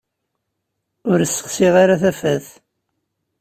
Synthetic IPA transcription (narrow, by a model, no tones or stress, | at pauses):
ʊɾəsːə̥χsiʁaɾaθæfæθ